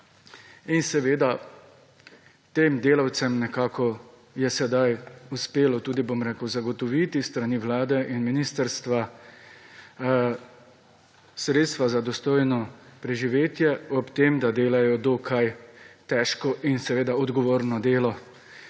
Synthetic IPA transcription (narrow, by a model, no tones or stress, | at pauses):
insɛʋeːd̪a | t̪eːmd̪eːlawt̪sɛmnɛkaːkʰɔ | jɛsɛd̪ajuspeːlɔt̪uːd̪ibomɾeːkəwzaɡɔt̪ɔʋit̪ist̪ɾaniʋlaːd̪ɛʔinminist̪əɾst̪ʋa | sɾeːt̪st̪ʋazad̪ɔst̪oːjnɔpɾɛʒiʋeːt̪jɛɔpt̪eːmd̪ad̪eːlajɔd̪okʰajt̪ɛːʃkɔʔinsɛʋeːd̪aɔd̪ɡɔʋoːɾnɔd̪eːlɔ